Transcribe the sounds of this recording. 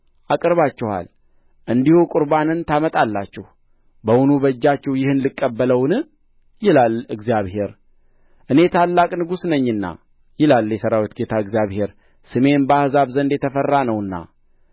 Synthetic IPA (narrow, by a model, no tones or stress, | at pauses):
ʔakʼɨɾβat͡ʃːɪha̰l | ʔɨnd̪ihukʼʊɾbanɨnt̪ʰamət̪ʼalːat͡ʃːɛh | bəwʊnubəd͡ʒːat͡ʃːɛwjɪhɨnlɨkʼːəbːələwnɨ | jɪlalɨɡzijaβhe̞ɾ | ʔɨne̞t̪ʰalːakʼnɨɡusnəɲːɨnːa̰ | jɪlaljɛsəɾawit̪ɡe̞t̪ʰaɨɡzjaβhe̞ɾ | sɨme̞nbəahɨzaβzənd̪jɛt̪ʰəfərːanəwɨnːa̰